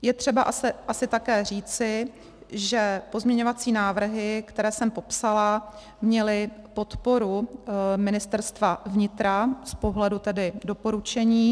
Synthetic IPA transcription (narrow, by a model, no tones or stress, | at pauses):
jɛt̪r̝̥ɛbaʔasɛʔasɪt̪akɛːr̝iːt͡sɪ | ʒɛpo̞zmɲɛɲovat͡siːnaːvr̩ɦɪkt̪ɛɾɛːsɛmpo̞psala | mɲɛlɪpo̞t̪po̞ɾumɪnɪst̪ɛɾst̪vavɲɪt̪ɾaspo̞ɦlɛdut̪ɛdɪdo̞po̞ɾut͡ʃɛɲiː